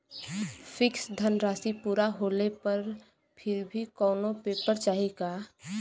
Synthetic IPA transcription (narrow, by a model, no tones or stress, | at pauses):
fʰɪksd̪ʱənɾaːsipuːɾaɦoːlepəɾ | pʰɪɾbʱikɔːnopeːpəɾt͡ʃaːɦiɡaː